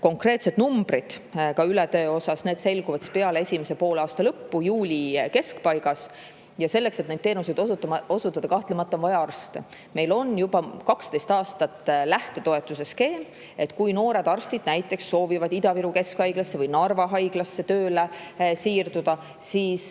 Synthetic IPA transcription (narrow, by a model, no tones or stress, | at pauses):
ko̞ŋkre̞ːt̪se̞d̪numb̥rid̪̥kɑylet̪ø̞ːo̞sɑsne̞ːd̪se̞lʲɡ̥uvɑt̪spe̞ɑleesʲimesepo̞ːlɑːst̪ɑlɤpːujuːlʲike̞skpɑjɡ̥ɑs | jɑse̞lːe̞kse̞t̪ned̪e̞ːnuse̞jd̪osut̪ːˑɑd̪̥ɑkɑht̪lemɑt̪ːˑɑonvɑjɑɑrst̪ḛ | me̞jlo̞njubɑkɑkst̪e̞jst̪ɑːst̪ɑt̪ːˑlæht̪e̞t̪o̞e̞t̪ːˑuse̞ske̞ːm | e̞t̪kujno̞ːɾe̞d̪̥ɑrst̪id̪̥næjt̪ːˑe̞ksːo̞ːvivɑd̪id̪ɑviɾuke̞skhɑjɡ̥lɑsːevɤjnɑrvɑɦɑjɡ̥lɑsːe̞t̪øːlesiːrd̪ud̪̥ɑ | siːs